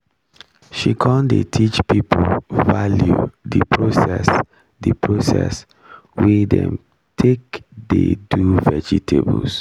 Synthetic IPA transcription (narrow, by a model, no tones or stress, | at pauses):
ʃikʰɔ̃ndetʰit͡ʃpipʰovaljudipʰɹosɛs | dipʰɹosɛ̰s | widɛ̰̃m | tʰekdeduvɛd͡ʒitʰebuls